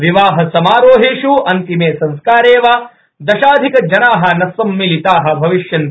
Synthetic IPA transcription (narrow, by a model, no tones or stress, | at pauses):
ʋiʋaːɦɐsɐmaːɾoːɦeːʃuʔɐnt̪imeːsɐ̃nskaːɾeːʋaː | d̪ɐʃaːd̪ʱikɐd͡ʒɐnaːɦɐ̆nɐsɐmːilit̪aːɦɐ̆bʱɐʋiʃjɐn